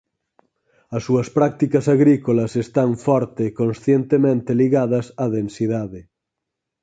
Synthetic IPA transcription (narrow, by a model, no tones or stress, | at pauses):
ɐsːuɐspɾak̚t̪ikɐsaɣɾikolɐsest̪aɱfɔɾt̪ekonsθjent̪emẽnt̪eliɣaðɐsaðensiðaðe